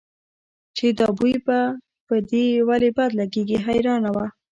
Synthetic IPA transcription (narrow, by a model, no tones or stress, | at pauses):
t͡ʃed̪ɑbujba | pəd̪ewalebad̪laɡeɡiɦajɾɑnawa